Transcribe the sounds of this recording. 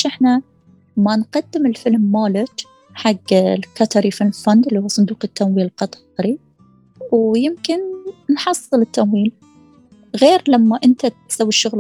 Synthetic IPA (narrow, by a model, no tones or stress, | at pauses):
ʔɪħna | manqad̪ːɪmɪlfɪlmːaːlɪt | ħaɡːlkat̪ʰɑɾifɪlfand̪ɪlːihuːsˤʊnd̪uːqɪt̪ːamwiːllqɑt̪ˤ | ɾi | wjɪmkɪnnħɑsˤːɨlɪt̪ʰːamwiːl | ɣeːɾlamːaʔɪnt̪atsawːiʃːʊɣl